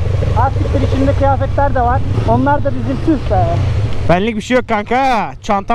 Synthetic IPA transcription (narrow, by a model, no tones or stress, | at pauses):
aɾt̪ʰik̚d̪iɾit͡ʃʰind̪ɛcʰijaːfɛcʲlʲæɾd̪ɛvaɾo̞nlˠaɾd̪abizilʲt̪ʰizbɛlɛb̥ænlʲːic̚ʲbiʃejokʰːaŋkʰat͡ʃʰant̪ʰa